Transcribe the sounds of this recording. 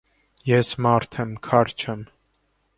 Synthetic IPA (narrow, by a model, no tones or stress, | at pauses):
jɛsmɑɾt̪ʰɛmkʰɑɾt͡ʃʰɛm